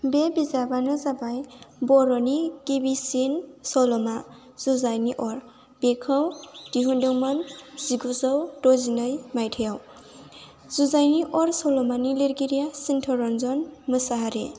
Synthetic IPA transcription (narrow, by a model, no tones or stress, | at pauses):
bebizabanɯzabajbɔɾɔnikibisinsɔlɔma | z̥uzajniʔɔɾ | b̥ekʰɔwd̥iɦundɯwmɔnz̥iɡuzɔwdɔzinɔjmajtʰijaw | z̥uzajniʔɔɾsɔlɔmaniliɾɡiɾijasintʰɔɾɔnzɔnmɯsaɦaɾḛ